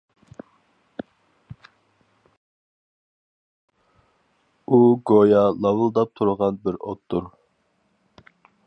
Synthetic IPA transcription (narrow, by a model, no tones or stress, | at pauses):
uɡojɑlˠɑwɨlˠd̪ɑp̚t̪ʰuɾəʁɑnbɪɾo̰t̪ʰːʊɾ